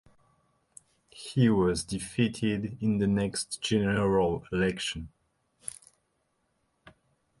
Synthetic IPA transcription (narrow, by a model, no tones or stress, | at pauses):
hiwʌzdifitʰɪdɪ̃nðənɛkstʒ̥ɛnəɹalˠɪlɛkʃə̃n